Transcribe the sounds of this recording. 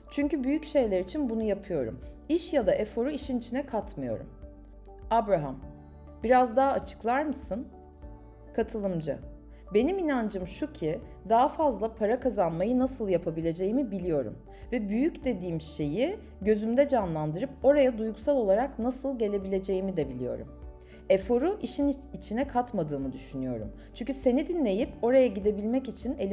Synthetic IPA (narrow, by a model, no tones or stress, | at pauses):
t͡ʃʰyɲcybyjycʃe̞jlʲeɾit͡ʃʰinbunujapʰɯjo̞ɾṵmiʃjad̪aʔɛfo̞ɾuiʃinit͡ʃʰinɛkʰat̪mɯjo̞̰ɾṵm | abɾaɦam | biɾazd̪aɦat͡ʃʰɯ̥klˠaɾmɯsɯn | kʰat̪ʰɯlˠɯmd͡ʒa̰ | be̞niminand͡ʒɯmʃucʰi | d̪aɦafazlˠapʰaɾakazanmajɯnasɯlˠjapʰabilʲe̞d͡ʒe̞jimibilʲijo̞ɾṵm | vɛbyjycd̪e̞d̪iːmʃe̞ji | ɟø̞zymd̪ɛd͡ʒanlˠand̪ɯɾɯpo̞ɾajad̪ujɡusalˠo̞lˠaɾaknasɯlˠɟe̞lʲe̞bilʲe̞d͡ʒe̞jimid̪ɛbilʲijo̞̰ɾṵm | efo̞ɾuʔiʃinit͡ʃʰinɛkʰat̪mad̪ɯːmɯd̪yʃynyjo̞̰ɾṵm | t͡ʃʰyɲʲcʰyse̞nid̪inlʲe̞jipo̞ɾajaɟid̪e̞bilʲmɛcit͡ʃʰinelʲ